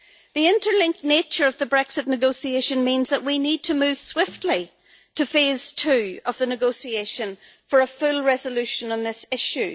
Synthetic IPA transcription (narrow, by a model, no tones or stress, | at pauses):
ðiɪ̃ntə˞lɪ̃ŋk̚net͡ʃə˞ʌvðəbɹɛksɨtⁿnɨɡoʊsieʃə̃nmĩnzðəʔ̚winid̚tʰəmʉv̥swɪftʰˡli | tʰɨfez̥tʰʉːəvðənɨɡoʊsieʃə̃n | fə˞əfʉlˠɹɛzəlʉʃə̃nə̃nðɪsɪʃʉ